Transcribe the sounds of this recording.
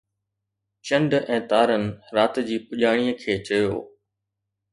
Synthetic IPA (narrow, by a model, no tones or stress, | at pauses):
t͡ɕə̃ɳɖɛ̃ːt̪aːɾənɪ̆ɾaːt̪d͡ʑiːpʊʄaːɽ̃iːəkʰeːt͡ɕɐjo̰ː